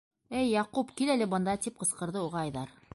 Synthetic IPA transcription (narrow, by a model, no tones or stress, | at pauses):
ɘjːɑqupkilælɘbɤ̆nd̪ɑt̪ip̚qɤ̆sqɤ̆ɾðɤuʁɑːjðɑɾ